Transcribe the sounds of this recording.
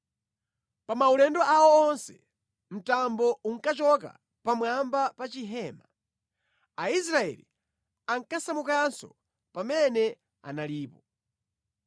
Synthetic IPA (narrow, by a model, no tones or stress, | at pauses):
pamaulɛndɔʔawɔːnsɛ | m̩tambɔuŋ̩kat͡ʃɔka̰ | pamwambapat͡ʃiɦɛːma | ais̬ɾaɛ̰lḭ | aŋkasamukansɔ̰ | pamɛnɛ | a̰naliːpɔ